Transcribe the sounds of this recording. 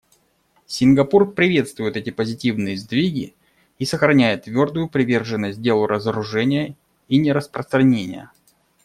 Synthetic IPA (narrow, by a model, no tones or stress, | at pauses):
sʲɪnɡɐpurpɾʲɪvʲe̞t̪st̪vʊjɪt̪ɛtʲɪpəzʲɪtʲivnɨjəzd̪vʲiɡʲɪ | isəxɾɐnʲæjɪt̪ːvʲo̞rd̪ʊjʊpɾʲɪvʲe̞rʐɨnːəsʲt̚ʲdʲe̞lˠʊɾəzəɾʊʐɛnʲɪjə | inʲɪɾəspɾəst̪ɾɐnʲenʲɪ̰jə̰